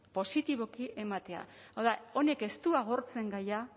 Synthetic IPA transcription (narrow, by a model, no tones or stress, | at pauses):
po̞sit̪iβ̞o̞kiʔe̞mat̪e̞a̰awðao̞ne̞ke̞st̪uaɣ̞o̞ɾt͡se̞ŋɡaja